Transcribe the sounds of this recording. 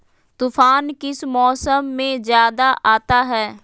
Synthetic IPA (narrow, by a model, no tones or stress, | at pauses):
t̪ufʰaːnkɪsmɔːsəmːẽzjaːd̪aʔaːt̪aɦɛː